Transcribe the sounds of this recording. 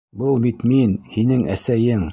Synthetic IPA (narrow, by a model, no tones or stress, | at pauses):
bɤlˠbit̪minhinɘŋæsæjɘŋ